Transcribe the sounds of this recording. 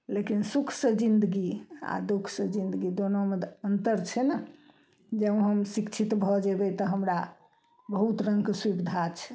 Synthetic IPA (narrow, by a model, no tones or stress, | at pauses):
lekinsukʰsəd͡ʒind̪əɡia̰d̪ukʰsəd͡ʒind̪əɡid̪onomed̪ənt̪əɾt͡ʃʰɛnə | d͡ʒẽɦəmsikt͡ʃʰit̪bʱɔd͡ʒebɛt̪əɦəmɾa | bəɦut̪ɾəŋɡkswibd̪ʱat͡ʃʰɛ̥